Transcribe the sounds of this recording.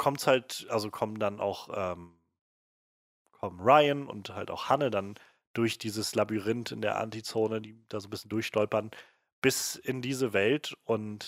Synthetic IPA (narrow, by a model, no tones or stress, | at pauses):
kʰɔmtshaltʔalzokʰɔmdanʔa̰ʊxʔɛːm | kʰɔmʁaɪənʊ̰ntha̰lta̰ʊxhanədan | d̥ʊɐçd̥iːzəslabyʁɪntɪndeːɐʔa̰ntit͡soːnədiːd̥aːzoːnbɪsçən̩dʊɐçʃtɔlpɐn | b̥ɪsɪndiːzəvɛltʔʊnt